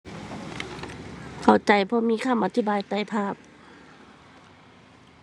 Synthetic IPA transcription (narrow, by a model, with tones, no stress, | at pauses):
kʰa˨˩wt͡ɕa˧˩jpʰɔː˧miː˧˥˨kʰa˧˨mʔa˧t̪ʰi˧˥baː˨˧˨jt̪a˧˩jpʰaː˧˩p̚